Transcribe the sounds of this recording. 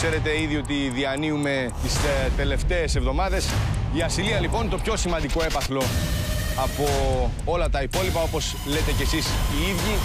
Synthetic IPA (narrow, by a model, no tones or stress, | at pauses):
se̞ɾe̞t̪e̞iðio̞t̪iðiɐniume̞ | t̪ist̪e̞le̞ft̪e̞ːsevðo̞mɐðe̞siɐsiliɐlipo̞nt̪o̞pço̞simɐnd̪iko̞e̞pɐθlo̞ | ɐpo̞ | olɐt̪ɐipo̞lipɐo̞po̞s | le̞t̪e̞cesisiiðʝi